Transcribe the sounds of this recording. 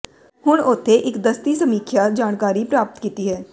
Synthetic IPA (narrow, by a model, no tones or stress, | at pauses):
hʊɽ̃ʊt̪ʰːeʔɪkd̪əst̪isəmiːkʰjad͡ʒaːɽ̃kaːɾipɾaːpt̪kiːt̪iɦɛː